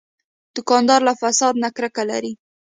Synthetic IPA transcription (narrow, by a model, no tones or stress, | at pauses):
d̪̥ʊkɑnd̪ɑɾlafasɑd̪nakɾəkala̰ɾi